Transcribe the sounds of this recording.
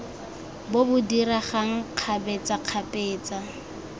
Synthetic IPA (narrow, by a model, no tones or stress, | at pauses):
bobʊdiɾaχaŋ̩q͡χʰabɛt͡saq͡χʰapʼeːt͡sʼa